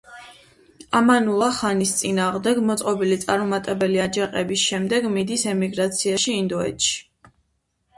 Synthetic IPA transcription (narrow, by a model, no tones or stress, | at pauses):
amanulˠaχanist̪sʼinaːʁmd̪ɛɡmɔt̪sʼqʼɔbilit̪sʼaɾmɔmat̪ʼɛbɛliad͡ʒaqʼɛbisʃɛmd̪ɛɡmid̪isɛmiɡɾat̪sʰiaʃiːnd̪ɔɛ̰t̪ʃi̥